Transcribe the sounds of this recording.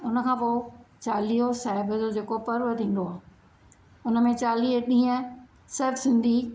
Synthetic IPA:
ʊnəkʰãːpot͡ɕaːliːosaːɦɪbʱəzod͡ʑeːkopɐɾʋət̪ĩːn̆d̪oaː | ʊnəmẽt͡ɕaːliːɦɗĩːə̃ | sɐbʱsɪ̃nd̪ʱi

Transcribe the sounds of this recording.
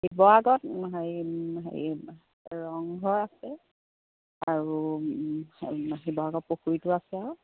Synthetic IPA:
hibɔaɡɔtɦaiɦa̰ | ɹɔŋɡʱɔɹaksɛ | aɹu | ɦibɔaɡɔt̚poxuɹitʊasɛaɔ

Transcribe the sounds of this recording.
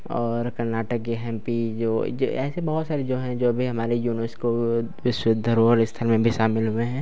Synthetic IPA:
ɔːɾkɐɾnaːʈəkːeɦɛ̃ːmpid͡ʒo̰ːɛ̰ːsebɐɦʊt̪saːɾed͡ʒoːɦɛ̃d͡ʒoːbʱiɦɐmaːɾejuːnəɾsko | ʋɪʃwɪd̪ʱːəɾoɔːɾɪst̪ʰəlmẽbʱiʃaːmɪlɦʊeɦɛ̃ː

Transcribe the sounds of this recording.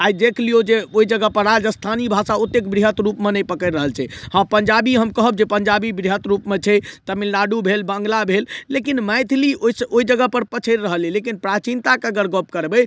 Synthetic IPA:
ajd̪ekʰlijod͡ʒeoid͡ʒəɡəpəɾad͡ʒəst̪ʰanibʱasaut̪ːekbɾiɦət̪ɾupmenəjpəkəɾɾəɦəlt͡ʃʰɛhãpəɲd͡ʒabiɦəmkəɦəb̚d͡ʒepəɲd͡ʒabibɾiɦət̪ɾupmet͡ʃʰɛt̪əmilːaɖubʱelbə̃ŋɡlabʱelːekinməjt̪ʰlioisəoid͡ʒəɡəpəɾpət͡ʃʰəɾɾəɦəlilekinpɾat͡ʃint̪akəɡəɾɡop̚kəɾbəj

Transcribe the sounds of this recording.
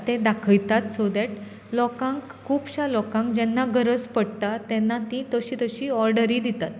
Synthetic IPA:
t̪ẽd̪akʰəjt̪at̪sod̪ɛʈ | lɔkãŋk | kʰuːpɕalɔkãŋkd͡ʑɛnːaɡəɾəd͡zpəɽt̪at̪ɛnːat̪ĩt̪əɕiːt̪əɕiːɔɾɖəɾid̪it̪at̪

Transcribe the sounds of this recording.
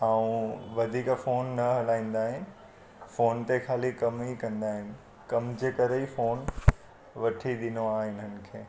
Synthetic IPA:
aːũʋɐd̪ʱiːkfoːnːɐɦɐlaːĩːn̆d̪aːɦɪnɪ̆ | foːnt̪ekʰaːlikɐmɦikɐ̃nd̪aːɦɪnɪ̆ | kɐmd͡ʑeːkɐɾəifoːn | ʋɐʈʰiɗ̪ɪnoaːɦɪnənɪ̆kʰeː

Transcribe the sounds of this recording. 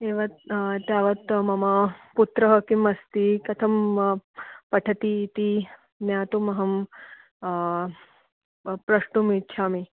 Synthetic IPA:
eːʋɐt̪t̪jaːʋɐt̪mɐmɐput̪ɾɐɦɐkimɐst̪ikɐt̪ʰɐm | pɐʈʰɐt̪iːt̪i | njaːt̪umɐɦɐm | pɾɐʂʈumit͡ʃʰaːmi

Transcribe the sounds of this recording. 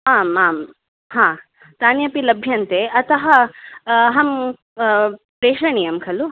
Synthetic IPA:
aːmaːm | hãː | t̪aːnjɐpilɐbʱjɐnt̪eʔɐt̪ʰɐɦɐ | ɦɐm | pɾeːʂɐɳijɐmkʰɐlu

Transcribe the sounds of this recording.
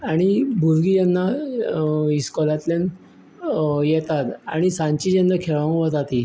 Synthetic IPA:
aɽ̃ibʱuɾɡijanːa | iskɔlat̪len | jɛt̪at̪a̰ɽ̃isãɲt͡ɕid͡ʑanːakʰɛɭʋaʋət̪at̪i

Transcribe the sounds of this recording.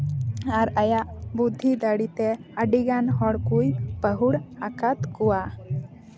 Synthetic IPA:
aɾəjaʔbud̪ʱːid̪əɽit̪eəɖiɡanɦɔɽkujpəɦuɽakat̪kuwa

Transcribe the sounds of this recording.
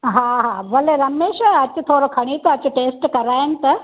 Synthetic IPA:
ɦaːɦaːʋɐleɾɐmeːʃɐt͡ɕʊ̆t̪ʰoːɾokʰɐɽ̃it̪ɐɐt͡ɕʊ̆ʈeːsʈkɐɾaːɪnɪ̆t̪ɐ

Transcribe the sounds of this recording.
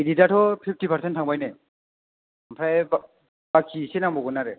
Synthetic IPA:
ididatʰɔpʰip̚ʰtipʰaɾsentʰaŋbajne | mpʰɾajb | bak̚kʰisenaŋbɔɡɔnaɾe

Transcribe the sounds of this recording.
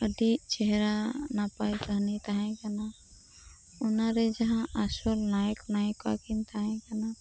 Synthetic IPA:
əd̪it͡ʃɛɦɾanapajkəɦnit̪aɦɛ̃kana | ʊnaɾed͡ʒəɦãasolnajəknajəka̰kint̪aɦɛ̃kana

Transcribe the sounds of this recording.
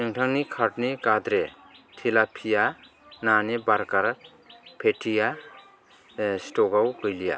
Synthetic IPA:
iŋtʰaŋnikʰaɾʈnikad̪ɾe | tʰilapʰija | nanebaɾkaɾ | pʰetʰija | stɔɡawkʰɯjlija̰

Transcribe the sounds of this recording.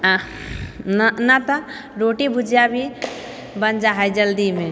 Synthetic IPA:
nanat̪ɔ | ɾoʈibʱud͡ʒʱjabʱi | bənd͡ʒaɦajd͡ʒəld̪ime

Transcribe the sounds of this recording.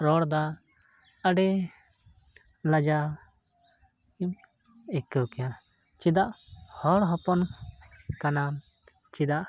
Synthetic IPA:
ɾɔɽd̪a | əɖɛ | lad͡ʒa | im | ɛkɛwkɛja | t͡ʃid̪aʔhɔɽɦɔpɔn | kana | t͡ʃid̪aʔ

